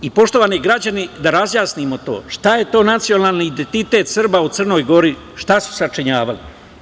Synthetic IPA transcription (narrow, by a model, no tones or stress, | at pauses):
ipo̞ʃt̪o̞ʋaːniɡɾad͡ʑanid̪aɾazjaːsnimo̞t̪o̞̰ːʃt̪aje̞t̪o̞ːnat̪sijo̞naːlˠniːd̪ent̪it̪e̞t̪sr̩baut̪sr̩no̞jɡo̞ɾi | ʃt̪asu̥sat͡ʂiɲaːʋali